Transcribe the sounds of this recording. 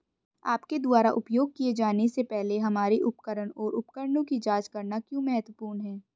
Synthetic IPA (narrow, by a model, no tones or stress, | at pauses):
a̰ːpked̪ʊaːɾa̰ʔʊpjoːɡ̚kied͡ʒaːnesepɛɦleɦɐmaːɾiʔʊpkəɾəɳɔːɾʊp̚kəɾɳõkid͡ʒaːd͡ʒkɐɾnakjõːmɛɦət̪wəpuːɾnɦɛ̃ː